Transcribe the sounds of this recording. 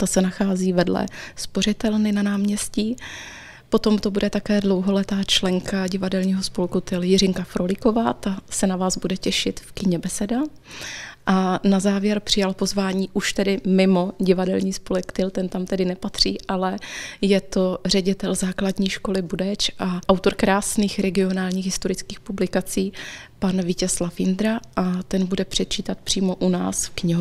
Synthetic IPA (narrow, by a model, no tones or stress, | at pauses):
t̪asɛnaxaːziːvɛdlɛ̰spo̞r̝ɪt̪ɛlnɪnanaːmɲɛsciː | po̞t̪o̞mt̪o̞budɛt̪akɛːdlowɦo̞lɛt̪aːt͡ʃlɛŋkaɟɪvadɛlɲiːɦo̞spolkut̪ɪljɪrɪŋkafɾolɪko̞vaːt̪asɛnavaːzbudɛcɛʃɪt̪fkɪɲɛbɛsɛda | ʔanazaːvjɛɾpr̥ɪjalpo̞zvaːɲiːʔuʃt̪ɛdɪmɪmo̞ɟɪvadɛlɲiːspolɛkt̪ɪlt̪ɛnt̪amt̪ɛdɪnɛpat̪r̝̥iːʔalɛjɛt̪o̞r̝ɛɟɪt̪ɛlzaːkladɲiːʃko̞lɪbudɛt͡ʃʔaʔawt̪o̞ɾkɾaːsniːxɾɛɡɪo̞naːlɲiːɣɦɪst̪o̞ɾɪt͡skiːxpublɪkat͡siːpanvɪcɛslafɪnd̪ɾaʔat̪ɛnbudɛpr̥ɛt̪̚t͡ʃiːt̪at̪̚pr̝̥iːmo̞ʔunaːsfkɲɪɦo